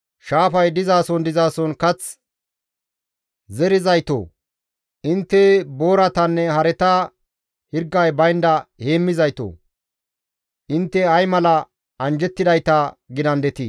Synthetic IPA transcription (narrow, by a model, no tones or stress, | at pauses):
ʃaːfɐjd̪ɪzaːsɔnd̪ɪzaːsɔnkɐt͡s | zɛɾɪzɐjt̪o̰ː | ʔɪnt̪ːɛboːɾɐt̪ɐnːɛhɐɾɛt̪ɐ | hɪɾɡːɐjbɐjnd̪ɐheːmːɪzɐjt̪o̰ː | ʔɪnt̪ːɛɐjmɐlɐ | ɐnd͡ʒɛt̪ːɪd̪ɐjt̪ɐɡɪd̪ɐnd̪ɛt̪iː